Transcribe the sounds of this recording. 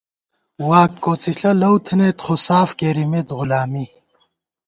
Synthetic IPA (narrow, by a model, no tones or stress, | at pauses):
waːkkːoːt͡sʰiɬɐlɐwt̪ʰneːt̪χosaːfkeːɾimet̪ɣulaːmi